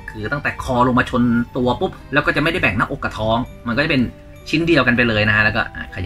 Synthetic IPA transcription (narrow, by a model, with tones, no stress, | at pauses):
kʰɯː˧t̪a˥˩ŋt̪ɛː˨˩kʰɔː˧loː˧ma˧t͡ɕʰo˧nt̪u˧ɐpu˦˥p̚lɛ˦˥wkɔː˥˩t͡ɕa˨˩ma˥˩jda˥˩jbɛː˨˩ŋna˦˥ʔo˨˩kːa˧t̪ʰɔː˦˥ŋma˧nkɔː˥˩t͡ɕa˨˩pe˧n | t͡ɕʰi˦˥ndi˧ɐwka˧np̬a˧jlɤː˧jna˦˥kʰa˥lɛː˦˥wkɔ̰ː˥˩ʔaː˧˩kʰa˧j